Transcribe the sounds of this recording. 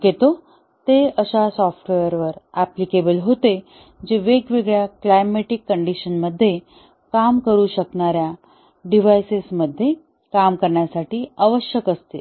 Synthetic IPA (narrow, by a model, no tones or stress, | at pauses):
ɡet̪o | t̪eəɕasɔfʈʋejəɾʋəɾaplikebəlɦot̪e | d͡ʑeʋeɡʋeɡɭjaklajmeʈikːəɳɖiɕənməd̪ʱːje | kamkəɾuːɕəkɳaɾja | ɖiʋajsisməd̪ʱːje | kamkəɾɳjasaʈiːaʋəɕjəkəst̪e